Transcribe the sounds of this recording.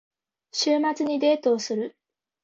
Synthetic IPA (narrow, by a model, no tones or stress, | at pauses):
ɕʰiɭmad͡ʑɯɲid̪etosʰɯɭ